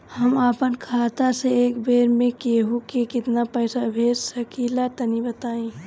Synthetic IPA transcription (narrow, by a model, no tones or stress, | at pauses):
həmaːpənkʰaːt̪aseeːkbeːɾmẽkeɦokikɪt̪napəːsabʱeːɾsəkilat̪ənibət̪aːẽ